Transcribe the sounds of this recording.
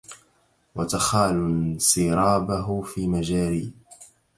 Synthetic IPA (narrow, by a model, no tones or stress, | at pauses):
wat̪axaːlʊsiɾˤɑːbaɦʊfiːmad͡ʒaːɾiː